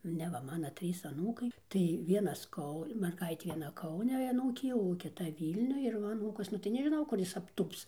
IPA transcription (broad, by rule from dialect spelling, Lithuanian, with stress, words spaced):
nʲɛ ʋɐ ˈmɑːnoː ˈtʲrʲiːs ɐˈnuːkɐɪ tɐɪ ˈʋʲiɛnɐs ˈkɐʊ mʲɛrˈɡɐɪtʲeː ʋʲiɛˈnɐ ˈkɐʊnʲɛ ɐˈnuːkʲeː jɛʊ oː kʲɪˈtɐ ˈʋʲiːlʲnʲʊj ɪr ˈʋɐ ɐˈnuːkɐs ˈnʊ tɐɪ nʲɛʒʲɪˈnɐʊ kʊr ˈjɪs ɐpˈtuːps